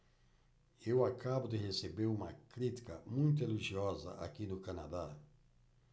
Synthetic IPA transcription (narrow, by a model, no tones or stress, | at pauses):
ewakabʊd̪ɪhesebeɾumɐkɾit̪i̥kɐmũj̃t̪ʊeliʒiɔzɐ̰ʔa̰kinʊkanad̪a